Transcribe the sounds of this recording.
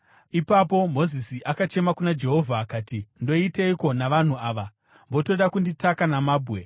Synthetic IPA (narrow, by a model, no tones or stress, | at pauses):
ipapo̞mo̞zisiʔakat͡ʃe̞makunad͡ʒe̞ɦo̞vʱaːkaːtindo̞iteiko̞naʋan̤uaːʋa | mbo̞to̞ɗakunditakanamaːbʱɣe̞